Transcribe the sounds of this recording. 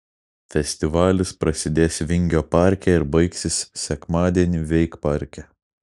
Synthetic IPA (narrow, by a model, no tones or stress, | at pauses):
fʲɛsʲt̪ʲɪʋɑːlʲɪspɾɐsʲɪd̪ʲeːsʲʋʲɪŋʲɡʲoːpɑˑɾʲkʲɛɪɾbɐɪksʲɪssʲɛkmɑːd̪ʲiɛnʲiʋʲɛɪkpɑɾʲkʲɛ